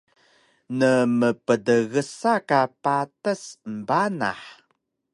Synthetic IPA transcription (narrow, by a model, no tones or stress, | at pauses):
nəməpədəɣəsakapatəsəmbana̰ħ